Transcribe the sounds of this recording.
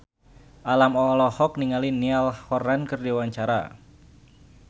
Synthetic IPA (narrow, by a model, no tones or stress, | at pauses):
ʔalamɔlɔhɔk̚niŋalinialhɔrankərdiwaɲt͡ʃaɾa̰